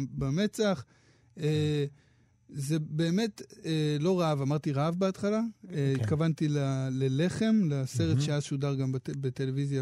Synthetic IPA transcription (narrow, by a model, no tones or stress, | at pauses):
beme̞t͡saχ | e | ze̞be̞ːme̞t̪elo̞ʁaavamaʁt̪iʁaavbeatχalaeittkavant̪ilalele̞χe̞mleseʁetʃeaʃudaʁɡambbete̞levizja